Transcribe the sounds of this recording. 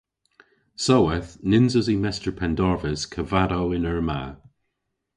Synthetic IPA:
sowəθnɪnzəzimɛstəɹpʰɛndɔɹvəzkʰəvaɾowɪnəɹma̰

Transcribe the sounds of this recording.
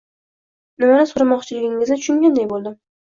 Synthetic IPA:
nɪmanɪsoɾamɒqt͡ʃʰɪlɪɡʲɪŋɪzɪt̪ʰʊ̥ʃʊŋɡʲand̪ajbolˠd̪ɪ

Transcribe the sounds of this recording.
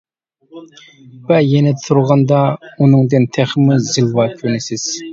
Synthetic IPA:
bɛjenɛd̪t̪ʰuɾʁɑnd̪ɑunɨŋd̪ɨnt̪ʰæχmuzilˠwɑkʲʰønɪsɪz̥

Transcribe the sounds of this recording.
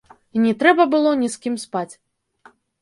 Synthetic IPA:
inʲɛt̪ɾɛbɐbɨlˠɔnʲiskʲimspat͡sʲ

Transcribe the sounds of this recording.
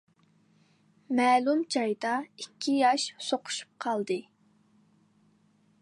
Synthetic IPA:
mɛːlumd͡ʒɑjd̪ɑikʲʰːijɑʃsoqʰʊ̥ʃu̥p̚qʰɑlˠd̪ɨ

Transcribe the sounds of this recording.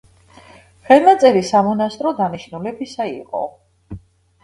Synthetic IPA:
χɛlˠnat̪sʼɛɾisamɔnast̪ʼɾɔd̪aniʃnulɛbisaiqʼɔ̰

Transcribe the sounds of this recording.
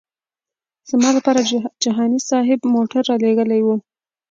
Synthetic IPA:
z̥mɑlapɑɾad͡ʒaɦɑnisɑɦɪbmoʈaɾːɑleɡəlajwu

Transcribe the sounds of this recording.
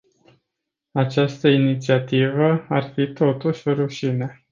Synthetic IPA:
at͡ʃast̪əinit̪siat̪ivəarfit̪o̞t̪uʃʲoɾuʃine̞

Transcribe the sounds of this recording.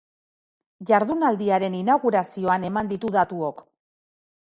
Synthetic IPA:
ʝaɾðunald̪iaɾe̞ninaɣuɾasio̞ane̞mand̪it̪uðat̪uo̞k

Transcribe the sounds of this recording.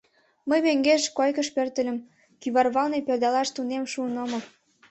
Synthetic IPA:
məjβeŋɡeʃkojkəʃpørt̪ə̆lʲə̆m | kyβɑrβɑlneperd̪ɑlɑʃt̪unemʃuənomɤ

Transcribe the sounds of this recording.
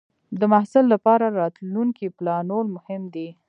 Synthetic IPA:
d̪əmahsɪlːapɑɾaɾɑt̪luŋkiplɑnolmʊhɪmd̪i

